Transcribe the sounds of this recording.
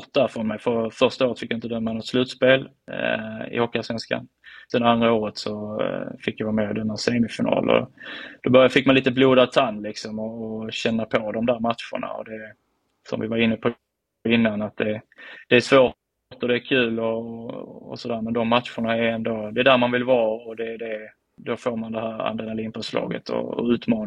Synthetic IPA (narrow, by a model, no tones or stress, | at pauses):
t̪̚d̪æɾfɾɔnmɛjfœɾfœɾʂt̪aoːɾət̪fɪkjaɪnt̪əd̪œmːanɔt̪slʉ̟ːt̪speːl | ɪ̰hokːasvɛnska̰n | sɛnd̪əand̪ɾaoːɾət̪sɔfɪkːjavɑːmɛːɪd̪ɛnːaseːmɪfɪnɑ̰ːlɔ̰d̪̥ɔbœɾjafɪkːmaniːt̪əbluːd̪at̪ʰanːlɪksɔmɔːɕɛnːapʰɔd̪ɔmd̪æːɾmat̪ʂʊ̰ɳa̰ɔ̰d̪ɛ | sɔ̰mvɪvaɾɪnːəpʰɔ | ɪnːanat̪̚d̪ɛd̪̥ɛːʂvoː | t̪ɔd̪ɛːkʰʉ̟ːlɔ̰ː | sɔd̪æːɾmɛnd̪ɔmːat̪ɧʊɳaɛæɾɛnd̪od̪ɛːd̪æːɾmanvɪlvɑːɔd̪ɛːd̪ɛ | d̪ɔfoːɾmand̪ɛɦæːɾa̰nd̪ɛnaliːnfəʂlɑ̰ːɡə̰t̪ʰɔ̰ːʉ̟ːt̪mɑːn